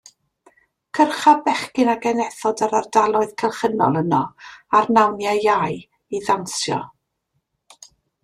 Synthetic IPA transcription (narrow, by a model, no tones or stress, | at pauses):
kʰərχabɛχkɪnaɡɛnɛθɔdaɾardalˠɔɨð̥kʰəlˠχənɔ̰lˠənɔarnawnjajaj | iðansjɔ̰